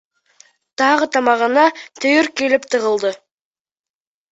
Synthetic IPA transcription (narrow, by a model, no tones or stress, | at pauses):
t̪ʰɑʁət̪ʰɑmɑʁənɑt̪ʰʏjɪɾkʲʰe̞lɪpt̪ʰəʁəlˠd̪ə